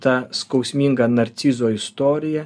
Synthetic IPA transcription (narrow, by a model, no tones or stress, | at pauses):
t̪ɑskɐʊsʲmʲiŋɡɐnɐɾʲt̪sʲiːzoːɪst̪oːɾʲɪjɛ